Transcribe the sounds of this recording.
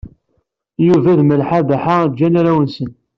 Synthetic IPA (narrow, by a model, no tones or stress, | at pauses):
juvæðməlħabaħad͡ʒːænaɾæwənsən